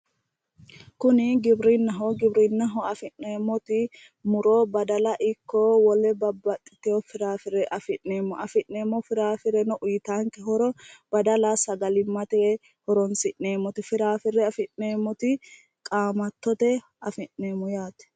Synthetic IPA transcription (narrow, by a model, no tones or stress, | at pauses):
kʊnɪɡɪbɾɪnːɐɦɔɡɪbɾɪnːɐɦɔɐfɪnneːmːɔt̪ɪ | mʊɾɔbɐd̪ɐlɐʔɪkːɔwɔlɛbɐbːɐt̪ʼːɪ̥t̪ɛjɔfɪɾaːfɪɾɛʔɐfɪʔneːmːɔʔɐfɪʔneːmːɔfɪɾaːfɪɾɛnɔʔʊjt̪aːŋkɛɦɔɾɔb̥ɐd̪ɐlasɐɡɐlɪmːɐt̪eː | hɔɾɔnsɪʔneːmːɔt̪ɪfɪɾaːfɪɾɛɐfɪnneːmːɔt̪ɪ | kʼaːmɐt̪ːɔt̪ɛ | ɐfɪʔneːmːɔjaːt̪ɛ̥